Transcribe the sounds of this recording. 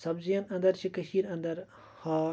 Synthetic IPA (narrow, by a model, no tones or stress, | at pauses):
sɐbzijɐnɐnd̪ɐɾt͡ʃʰikɐɕiːɾɐnd̪ɐɾ | hɑː